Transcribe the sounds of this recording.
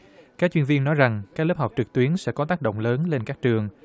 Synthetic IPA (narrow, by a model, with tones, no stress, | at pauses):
kaː˦˥k̚t͡ɕwi˧ənvi˧ənːɔ˨˦jza˨˩ŋkaː˦˥k̚lə˦˥p̚ha˨˩wk͡p̚t͡ɕɨ˨˩k̚t̪wi˨˦ənsɛ̰˧˥kɔ˨˦t̪aː˦˥k̚ɗo̰˧˨wŋ͡mləː˨˦nle˧nkaː˦˥k̚t͡ɕɨ˨˩əŋ